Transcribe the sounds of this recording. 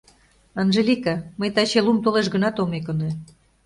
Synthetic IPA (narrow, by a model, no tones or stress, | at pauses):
ɑnʒelʲikɑməjt̪ɑt͡ɕelumt̪oleʃɡənɑt̪omek̬ŏne